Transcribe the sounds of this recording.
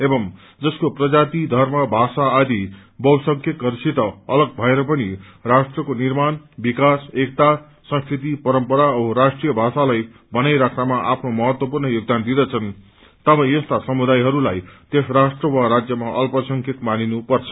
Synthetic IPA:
ebʌm | d͡zʌskoprʌd͡zat̪id̪ʱʌrmʌbʱasaːd̪ʱi | bʌwsʌŋkʰjʌkɡʌɾsit̪ʌʌlʌɡ̚bʱʌeɾʌp̬ʌni | rasʈrʌkonirmanbikasek̚t̪a | sʌ̃nskrit̪ipʌɾʌmpʌɾaoɾasʈrijʌbʱasalaj | bʌnajɾakʰnamaʔapʰnomʌɦʌt̪wʌpurnʌjoɡ̚d̪and̪id̪ʌt͡sʰʌn | t̪ʌbʌjʌst̪asʌmud̪ajɦʌɾulajt̪esrasʈrʌwaɾad͡zjʌmaʔʌlpʌsʌŋkʰjʌkmaninupʌrt͡sʰʌ̥

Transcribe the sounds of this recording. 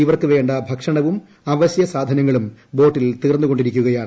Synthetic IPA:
iʋɐrkɨʋe̞ːɳɖɐbʱɐkʂɐɳɐʋum | ɐʋɐɕjɐsaːd̪ʱɐnɐŋːɐɭumbo̞ːʈːilt̪iːrnːuɣo̞ɳɖiɾikʲːuɣɐjaːɳ

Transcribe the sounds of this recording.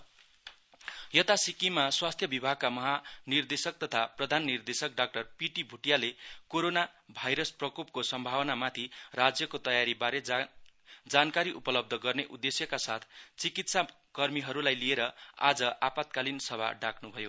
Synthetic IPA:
jʌt̪asikimaswast̪ʰjʌbibʱaɡ̚kamʌɦanird̪esʌk̚t̪ʌt̪ʰaprʌd̪ʱanːird̪esʌk̚ɖak̚ʈʌrpiʈibʱuʈijalekoɾonabʱajɾʌsprʌkop̚kosʌmbʱawʌnamat̪ʰirad͡zjʌkot̪ʌjaɾibaɾe | d͡zankaɾiʔupʌlʌb̚d̪ʱʌɡʌrneʔud̪ːesjʌkasat̪ʰt͡sikit̪sa | kʌrmiɦʌɾulajlieɾʌa̰d͡zʌʔapat̪̚kalinsʌbʱa̰ɖakʰnubʱʌjo

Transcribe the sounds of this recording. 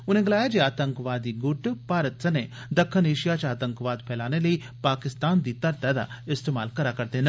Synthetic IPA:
ʊnẽɡəlaːjad͡ʒiaːt̪əŋkʋaːd̪ːiːɡʊʈpaːɾət̪sɐne | d̪ɐkʰːəneːʃijat͡ʃaːt̪ə̃ŋkʋaːd̪pʰɛːlaːneləiː | paːkɪst̪aːnd̪iːt̪ɐɾt̪ad̪a̰ɪst̪eːma̰ːlkɐɾakɐɾd̪eːnə

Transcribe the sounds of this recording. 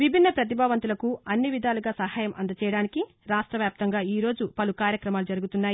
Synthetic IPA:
ʋibʱinːɐpɾɐt̪̬ibʱaːʋɐnt̪ulɐkuɐnːiʋid̪ʱaːluɡaːsɐɦaːjɐmʔɐ̰nd̪ɐt͡ʃɛːjɐɽaːniki | ɾaːʂʈɾɐʋjaːp̚t̪ɐŋɡaːiːɾo̞ːd͡ʒupɐlukaːɾjɐkɾɐmaːlud͡ʒɐɾuɡut̪unːaːji

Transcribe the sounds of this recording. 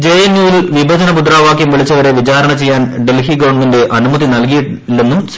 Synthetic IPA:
d͡ʑejɐnjuːilʋibʱɐd̪ʱɐnɐpud̪raːʋaːkjɐmʋiɭit͡ɕːɐʋɐɾe̞ʋit͡ɕaːɾɐɳɐt͡ɕe̞jːaːnɖelhiɡɐwɳɖminde̞ʔɐnumɐðinɐlk̬iji | lːenːum

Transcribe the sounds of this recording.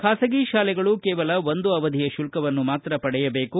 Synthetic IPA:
kʰaːsɐɡiːʃaːlɛɡɐɭukɛːʋɐlɐʋond̪uɐʋɐd̪ʱijɐʃulkɐʋɐnːumaːt̪ɾɐpɐɽɛjɐbe̞ːku

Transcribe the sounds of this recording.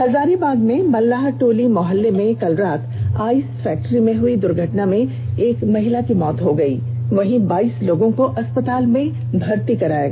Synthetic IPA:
hɐzaːɾebaːɡmẽmɐlːaːɦʈoːlimɔɦəlːemẽkɐlɾaːt̪ʰaːiːsfɛːk̚ʈəɾimẽɦʊid̪ʊɾɡʱɐʈnamẽ | eːkmɐɦɪlakimɔːt̪ɦoɡɐḭː | ʋɐɦĩbaːiːsloːɡõkoʔɐspət̪aːlmẽ | bʱɐɾt̪ikɐɾaːeɡ

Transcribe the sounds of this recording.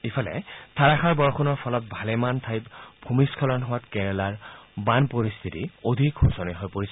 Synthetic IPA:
ipʰɔlɛ̰tʰaɹaxaɹbɔɹxʰunɔɹpʰɔlɔt̚bʱalɛmantʰajtbʰʱumiskʰɔlɔnɦʊwatkɛɹɛlaɹbanpoɹist̪ʰitiodʱikxusɔniɦɔjpoɹis

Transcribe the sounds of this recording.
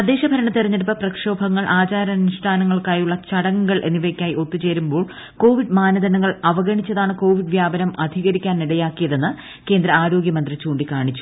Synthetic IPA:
ɐd̪ːeːɕɐbʱɐɾɐɳɐt̪eɾɐɲːeɽupːɐprɐkʂo̞ːbʱɐŋːɐɭʔaːt͡ɕaːɾɐnuʂʈʰaːnɐŋːɐɭkaːjuɭːɐt͡ɕɐɽɐŋuɡɐɭʔe̞̰nːiʋekʲːaːjio̞t̪ːut͡ɕe̞ːɾumbo̞ːɭ | ko̞ːʋiɖmaːnɐðɐnɐŋːɐɭɐʋɐɣɐɳit͡ɕːɐðaːɳɨko̞ːʋiɖʋjaːbɐnɐmɐd̪ʱiɣɐɾikʲːaːnniɽɐjaːkːijɐðe̞nːɨ | ke̞ːnd̪ɾɐaːɾo̞ːɡjɐmɐnd̪rit͡ɕuːɳɖikaːɳit͡ɕːu̥

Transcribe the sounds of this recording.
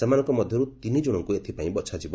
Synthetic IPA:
semanɔŋkɔmɔd̪ʱjɔɾut̪inid͡ʒuɽ̃ɔŋkuet̪ʰipaĩbɔt̪sʰad͡ʒibɔ

